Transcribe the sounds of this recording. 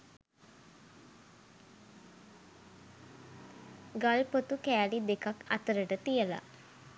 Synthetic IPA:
ɡalpot̪ukæːlid̪ekaka̰t̪əɾəʈət̪ijəla̰

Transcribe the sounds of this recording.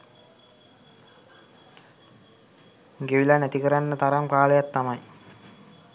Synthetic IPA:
ɡeʋilanæt̪ikəɾanːət̪aɾampaːləjat̪ːamaj

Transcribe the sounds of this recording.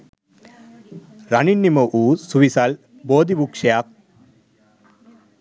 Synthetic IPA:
ɾɐɳinːimɐʔuːsuʋisal | boːd̪ibukʂɐjaːk̚

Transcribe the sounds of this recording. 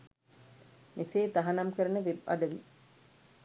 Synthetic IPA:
miseːt̪aɦanamkəɾənəʋibɐ̰ɖəʋi

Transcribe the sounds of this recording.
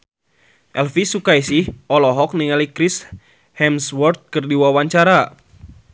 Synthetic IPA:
ʔɛlfisukaisihɔlɔɦɔk̚niŋalikɾis | hɛmswɔrt̪̚kɨrdiwawaɲt͡ʃaɾa

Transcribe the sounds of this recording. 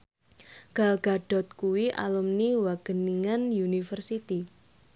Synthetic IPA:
ɡ̥alɡ̥aɖ̥ɔ̤t̪̚kuwiʔa̰lumniwaɡ̥əniŋanjunifərsit̪i

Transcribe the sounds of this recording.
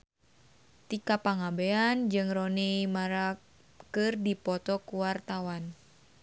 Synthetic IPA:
t̪ikapaŋabeand͡ʒɨŋrɔneimaɾak | kɨrdipɔt̪ɔkuwart̪awan

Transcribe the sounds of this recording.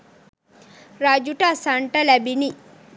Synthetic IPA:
ɾad͡ʒuʈɐsaɳʈɐlæbini

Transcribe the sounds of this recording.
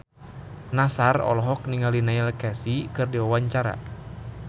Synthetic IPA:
nasarɔ̰lɔɦɔk̚niŋalinailkasikɨrdiwawaɲt͡ʃaɾa̰

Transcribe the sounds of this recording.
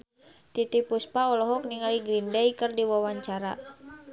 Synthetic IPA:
t̪it̪ipuspaɔlɔɦɔk̚niŋaliɡɾindɛjkərdiwawaɲt͡ʃaɾa̰

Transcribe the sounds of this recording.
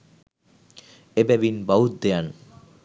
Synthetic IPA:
ebɛʋinbaut̪̚d̪ean

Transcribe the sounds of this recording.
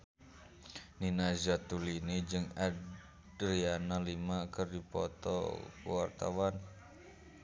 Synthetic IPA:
ninazat̪ulinid͡ʒɨŋa | dɾianalimakərdipɔ̰t̪ɔ̰wart̪a̰wan

